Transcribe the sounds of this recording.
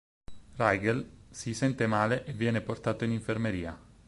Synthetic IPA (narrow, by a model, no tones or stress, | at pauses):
rajɡelsisɛnt̪emaːleʔevːjɛːneport̪aːt̪oiniɱfermeɾiːa